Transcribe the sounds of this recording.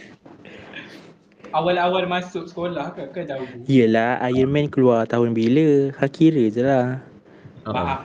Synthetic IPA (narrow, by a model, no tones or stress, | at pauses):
awalawalmasʊk̚sə̥kolahkakədauijəlahʔa̰jərmɛ̃nkəluart̪aɦʊnbiləhakʰiɾəd͡ʒəlah | baʔa